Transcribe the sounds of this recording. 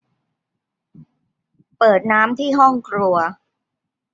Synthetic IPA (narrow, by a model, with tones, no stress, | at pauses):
pɤː˨˩t̪̚naː˦˥mt̪ʰiː˥˩ɦɔ˥˩ŋkʰlu˧ɐ